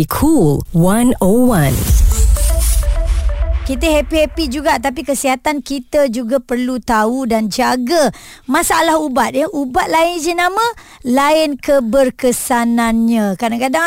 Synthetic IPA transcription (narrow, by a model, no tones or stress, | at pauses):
kʰulwãnowãn | kit̪əɦɛpiɛpid͡ʒuɡaʔt̪ap̬ikəsiɦat̪ankit̪əd͡ʒuɡapərlut̪audand͡ʒaɡa | mãsaalahubat̪̚jəʔubat̪̚laɪnd͡ʒənamə̃ | laɪnkəbərkəsanãnɲãkadaŋkada